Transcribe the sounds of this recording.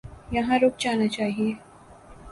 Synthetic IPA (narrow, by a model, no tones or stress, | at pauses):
jɐɦãɾoːk̚d͡ʒaːnat͡ʃaːɦie